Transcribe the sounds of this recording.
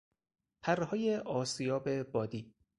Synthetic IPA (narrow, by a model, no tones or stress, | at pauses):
pʰærehɒːjeʔɒːsijɒːbebɒːd̪iː